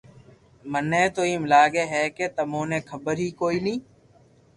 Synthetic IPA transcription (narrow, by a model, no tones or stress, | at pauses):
mənẽːt̪oːiːmlaːɡeːɦɛːkeːt̪əmõːnẽːkʰəbəɾɦiːkoːiːnĩː